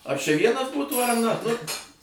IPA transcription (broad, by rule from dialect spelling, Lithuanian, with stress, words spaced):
ɐ t͡ʃʲɛ ˈʋʲiɛnɐs ˈbuːtuː ɐr nɐ nʊ